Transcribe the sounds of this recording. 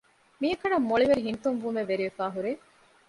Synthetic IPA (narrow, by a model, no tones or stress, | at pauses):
miɐkɐɳɐmːoɭiʋeɾiɦint̪umʋumeʋeɾiʋefæːɦuɾeː